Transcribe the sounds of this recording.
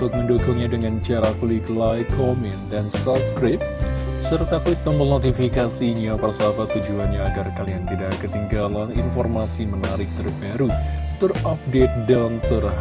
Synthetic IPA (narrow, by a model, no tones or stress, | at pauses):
ut̪ʊk̚məndoɡɔŋɲadəŋant͡ʃaɾakuliklajkʰomɛn̚dansapskɾɪp̚sərt̪akut̪̚məmbənot̪ifikasiɲapərsaabat̪ud͡ʒuanɲaːɡarkaliant̪idaʔkət̪iŋɡalaninfɔrmasimənaɾɪk̚t̪ərbaɾut̪ɨrap̚det̪̚dant̪ər